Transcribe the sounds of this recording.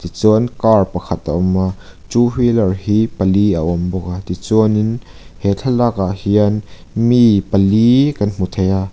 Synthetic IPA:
t̪it͡suənkarpɐkʰɐt̪̚aʔɔmat͡ʃuhwilɐrhiːpɐliaʔɔmbɔk̚at̪it͡suənin | hɛt͡ɬʰalakaʔhiən | mipɐlikɐnm̥ut̪ʰeja

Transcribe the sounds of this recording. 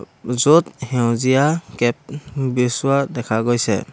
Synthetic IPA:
zɔt̚hɛw̃zijakɛp̚bisuwadɛkʰaɡojsɛ̰

